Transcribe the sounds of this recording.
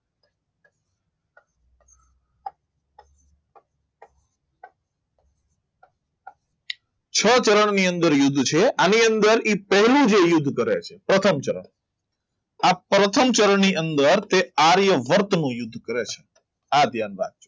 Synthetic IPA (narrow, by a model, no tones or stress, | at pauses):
t͡ʃʰət͡ʃəɾəɳniənd̪əɾjʊd̪ʱːt͡ʃʰeʔaniənd̪əɾipəɦlũd͡ʒejʊd̪ʱːkəɾet͡ʃʰepɾət̪ʰəmt͡ʃəɾə̰ɳ | apɾət̪ʰəmt͡ʃəɾəɳniʔənd̪əɾt̪eaɾjəʋəɾt̪nũjʊd̪ʱːkəɾet͡ʃʰe̥ | ad̪ʱjanʋa̰t̪̚t͡ʃʰo